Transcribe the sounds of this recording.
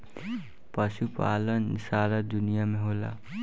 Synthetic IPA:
pəʃupa̰ːlənːɪsaːɾad̪ʊnijamẽɦoːla̰

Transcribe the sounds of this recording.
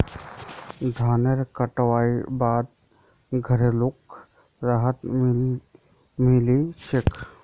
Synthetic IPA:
d̪ʱaːneɾkəʈʋaːibaːd̪̚ | ɡʱəɾelʊk | ɾaːɦət̪ | mɪliʃekʰ

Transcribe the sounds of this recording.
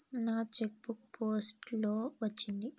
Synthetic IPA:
naːt͡ʃek̚bukpʰoːsʈlo̞ːʋɐt͡ʃːind̪i

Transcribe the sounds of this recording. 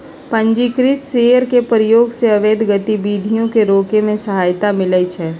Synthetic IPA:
pə̃ɲd͡ʒikɾɪt̪seːjəɾkepɾɪjoːɡseɐʋeːd̪ʱɡət̪ibiːd̪ʱijõkeɾoːkemẽsɐɦaːjt̪amɪlət͡ʃʰɛː

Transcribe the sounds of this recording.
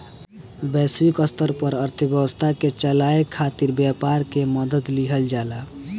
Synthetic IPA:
bɛswikəst̪əɾpəɾəɾt̪ʰəbjəbəst̪ʰaket͡ʃəlaekʰːat̪iɾbjapaɾkeməd̪əd̪liɦəld͡ʒala

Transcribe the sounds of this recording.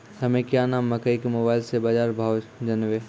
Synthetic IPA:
hɐmẽkjaːnaːmːɐkəikemoːbaːɪlsebaːd͡ʒaːɾbʱaːwd͡ʒɐnʋeː

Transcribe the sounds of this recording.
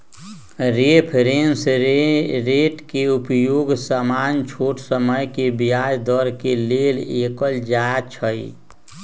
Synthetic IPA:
ɾepʰɾens | ɾeʈkeupjoːɡsəmant͡ʃʰoʈsəməjkebijajd̪əɾkelelekəld͡ʒat͡ʃʰəj

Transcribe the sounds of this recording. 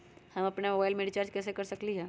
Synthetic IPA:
hɐmɐpnemoːbaːɪlmeːɖit͡ʃaːɾd͡ʒkɛːsekɐɾsɐkliɦɛː

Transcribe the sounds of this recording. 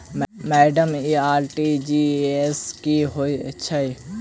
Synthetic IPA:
mmɛːɖəmiːaːɾʈid͡ʒiːeskiɦoiɐ̰tːʃʰai

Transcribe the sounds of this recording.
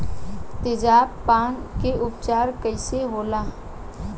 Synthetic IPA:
t̪ɪd͡ʒaːbpːaːnkeʔʊpt͡ʃaːɾkəɪseɦoːlaː

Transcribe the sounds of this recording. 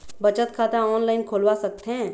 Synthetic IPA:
bɐt͡ʃət̪kʰaːt̪aɔːnlaɪnkʰoːlwasɐk̚t̪eɦɛ̃ː

